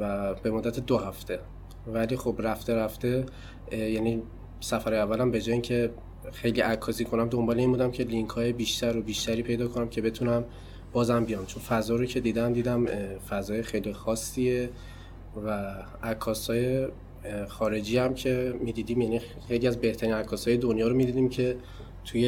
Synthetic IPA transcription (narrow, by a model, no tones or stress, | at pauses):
væbe̞mod̪ːæt̪ʰe̞d̪ohæft̪ʰe̞ | væliːxo̞bɾæft̪e̞ɾæft̪e̞ | jæni | sæfæɾɒjævːælæmbe̞d͡ʒɔːjeiŋcʰe̞ | xe̞jliʔækʰːɒːsiːkʰo̞næmd̪o̞mbɒːle̞inbuːd̪æmcʰe̞liŋkʰɒːjebiːʃt̪ʰæɾobiːʃt̪æɾiːpʰe̞jd̪ɒːkʰo̞næmcʰe̞be̞t̪ʰunæm | b̥ɒːzæmbijɒmt͡ʃʰo̞nfæzɒːɾocʰe̞d̪iːd̪æmd̪iːd̪æmfæzɒːjexejlixɒːsːie | væ | ækʰːɒːshɒːje̞ | xɒːɾe̞d͡ʒiːæmcʰe̞miːd̪iːd̪iːmjæni | e̞jliːæzbe̞ht̪ʰæɾiːnækʰːɒːshɒːjed̪onjɒːɾo̞mid̪iːd̪iːmcʰe̞ | t̪ʰuje